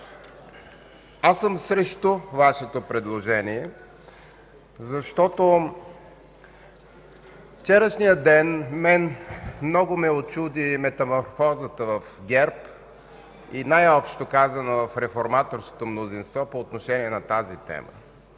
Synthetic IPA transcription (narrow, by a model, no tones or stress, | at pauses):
asəmsɾɛʃt̪ovaʃɛt̪opɾɛd̪lˠoʒɛniɛ | zɐʃt̪ɔt̪o | ft͡ʃɛɾəʃnijəd̪ɛnmɛnmnɔɡomɛot͡ʃud̪imɛt̪ɐmoɾfɔzət̪əvəfɡʲɛɾp | inajɔpʃt̪okazənəvɐfɾɛfoɾmat̪oɾsko̥t̪omnozinst̪vɔpoːt̪noʃɛniɛnɐt̪azit̪ɛ̰mə̰